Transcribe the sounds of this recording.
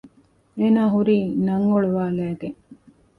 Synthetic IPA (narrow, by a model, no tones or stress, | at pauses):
eːnaːɦuɾiːnɐŋːoɭuʋaːlæːɡeŋ